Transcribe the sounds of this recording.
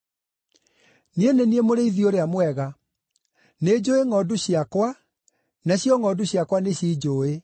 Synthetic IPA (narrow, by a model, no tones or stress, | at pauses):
nieneniemoɾeiðioɾeamwɛɣa | ned͡ʑoeŋɔduɕiakwa | naɕjɔŋɔduɕjakwaneɕid͡ʑoːe